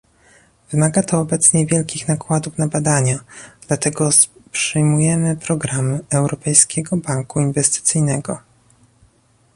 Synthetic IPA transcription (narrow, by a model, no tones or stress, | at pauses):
vɘmaɡat̪ɔːbɛt̪sɲɛvʲjɛlkʲixnakwad̪ufnabad̪aɲad̪lat̪ɛɡɔspʂɘjmujɛmɘpɾɔɡɾamɘɛwɾɔpɛjskʲɛɡɔbaŋkuinvɛst̪ɘ̥t̪sɘjnɛɡɔ